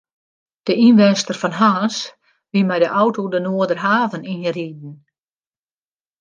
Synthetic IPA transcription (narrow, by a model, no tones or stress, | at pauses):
d̥əʔinʋɛnstərfɔnɦaːs | ʋimɛjdəʔɔwtodənoədərɦaːvəninriːd̚n̩